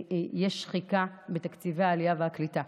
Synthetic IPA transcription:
jeʃχikabet̪akt͡siveaːlijaveaklit̪a

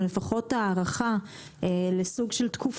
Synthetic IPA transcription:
lefaχo̞taːʁaχa | elesuɡʃeltkʰuf

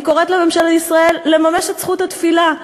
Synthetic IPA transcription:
ko̞ʁet̪leme̞mʃaleisʁae̞lːe̞mameʃetsχut̪at̪fila

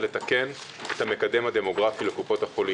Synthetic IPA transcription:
le̞t̪ake̞n | et̪hame̞kad̪e̞mhad̪e̞mo̞ɡʁafile̞kupo̞thapoli

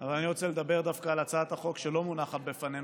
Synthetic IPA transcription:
avalaniʁot͡sele̞d̪abeʁd̪afkaːlat͡saat̪haχo̞kʃelo̞munaχat̪̚befanen

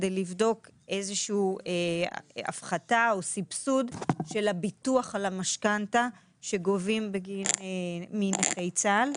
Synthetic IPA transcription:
dejlivdo̞ke̞zeʃuuea̰fχataosipsudʃe̞labituaχalamaʃkanta | ʃe̞ɡo̞vimbeɡinemineχejt͡sal

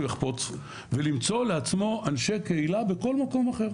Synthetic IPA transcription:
jeχpo̞t͡s | velimt͡so̞leat͡smo̞anʃe̞keilabeko̞lmako̞maχe̞ʁ

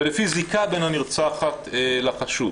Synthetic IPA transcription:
lefizikabenhaniʁt͡saχat̪elaχaʃu

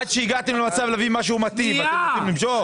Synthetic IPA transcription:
ad̪ʃeiɡat̪emlemat͡savlavimaʃ̬eumat̪ivatet̪emlimʃoχ

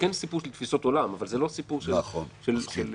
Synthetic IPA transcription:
kensipuʃelt̪fiso̞t̪o̞lamavalzelo̞sipuʁʃenlaχonʃelʃel

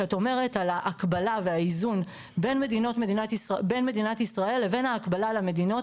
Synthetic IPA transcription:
ato̞me̞ʁe̞talaʔːkbalaveaizun | be̞nme̞dino̞tme̞dinatbe̞nme̞dinatisʁae̞lːe̞ve̞nhaːkbalalame̞dino̞t

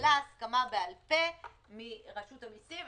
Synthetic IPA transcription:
laskamabealpe | miʁaʃutamisi

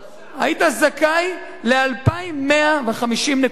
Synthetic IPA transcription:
aitazakaj | lealpaimːeaveχamiʃimne

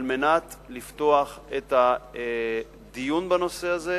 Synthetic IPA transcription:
lmenat̪lift̪o̞aχet̪a | d̪ijunbano̞se̞aze

